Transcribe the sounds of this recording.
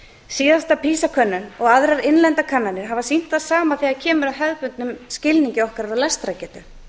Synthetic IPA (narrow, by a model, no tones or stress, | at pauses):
siːðast̪apʰiːsakʰœnːʏnɔɣaðɾaɾɪnlɛnt̪akʰanːanɪɾ̥ɦavasin̥t̪θaðsaːmaθiaðcʰɛːmʏɾaɦɛðpʏnt̪̚nʏmscɪlniɲcɪɔhkaɾɾaðlɛst̪ɾacɛːt̪ʏ